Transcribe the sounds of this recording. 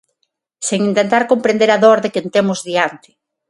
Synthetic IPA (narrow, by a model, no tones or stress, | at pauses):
seŋint̪ent̪aɾkompɾẽnd̪eɾaðɔɾðekent̪emʊzðiant̪ɪ̥